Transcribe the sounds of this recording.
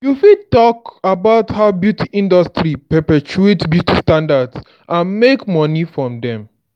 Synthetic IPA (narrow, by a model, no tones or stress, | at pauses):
jufid̚tɔkabaʊthaʊbjutiʔĩndɔstɾipɛpɛt͡ʃuetbjutistãndads | ʔãnmekmɔnifɹɔ̃mdɛ̃m